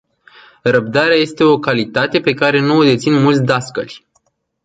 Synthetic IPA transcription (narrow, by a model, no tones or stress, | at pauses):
rəb̚d̪aɾeaje̞st̪e̞o̞kalit̪at̪e̞pe̞kaɾe̞nuod̪e̞t̪sinmult̪sʲd̪askə̰lʲ